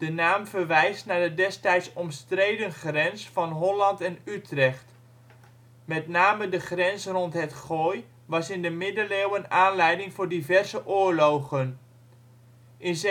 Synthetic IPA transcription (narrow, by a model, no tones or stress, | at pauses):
d̥ənaːmvərʋɛjstnaɹdədɛstɛjtsɔmstrejdənχrɛnsfɑnɦɔlɑntɛnytrɛχt | mɛtnaːmədəχrɛnsrɔntɦətχoːj | ʋɑsɪndəmɪdəlewənaːnlɛjdɪŋvʊːɹdivɛrzəʔʊːɹlowɣən | ʔɪnz